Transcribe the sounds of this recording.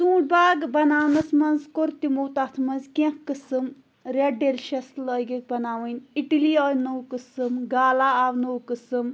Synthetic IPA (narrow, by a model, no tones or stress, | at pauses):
t̪ũːʈ̚baːɡbɐnaːwnɐsmɐnzkoɾt̪imoːt̪aːt̪ʰmɐ̃nzkẽkkɨsɨm | ɾʲɐɖelʃɐslɔːjɡik̚bɐnaːʋɨnʲiʈiliɔːjnɐwkɨsɨmɡaːlaaːwnɐwkɨsɨm